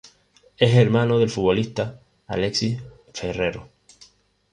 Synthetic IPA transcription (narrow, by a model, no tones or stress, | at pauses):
e̞se̞ɾmãnoðe̞lfuo̞liht̪a | a̰le̞ksi | fe̞re̞ɾo